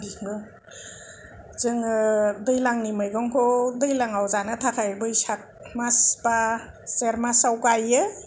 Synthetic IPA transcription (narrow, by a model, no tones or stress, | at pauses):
diɡɯ | z̥ɯŋɯdɯjlaŋnimɯjɡɔŋkʰɔdɯjlaŋawzanɯtʰakʰajbɯjsak̚masba | seɾmasawkajɯ